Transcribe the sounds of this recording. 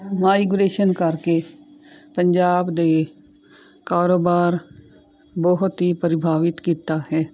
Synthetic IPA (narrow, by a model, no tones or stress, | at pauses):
maːiɡʊɾeːʃənkəɾke | pə̃ɲd͡ʒaːbd̪e | kaːɾoːbaːɾ | bɔɦʊt̪ɦipəɾɪbʱaːʋɪt̪kiːt̪aɦɛː